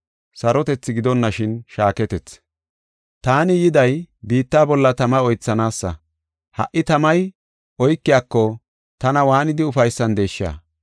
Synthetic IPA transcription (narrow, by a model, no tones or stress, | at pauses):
sɐɾɔt̪ɛt͡sːɪɡɪd̪ɔnːɐʃɪnʃaːkɛt̪ɛt͡s | t̪aːnɪjɪd̪ɐjbiːt̪ːaːbɔlːɐt̪ɐmɐɔjt͡sːɐnaːsːɐ̰ | hɐ̰ʔɪt̪ɐmɐj | ɔjkːɪjaːkːɔ | t̪ɐnɐwaːnɪd̪ɪʊfɐjsːɐnd̪e̞ːʃːɪa̰ː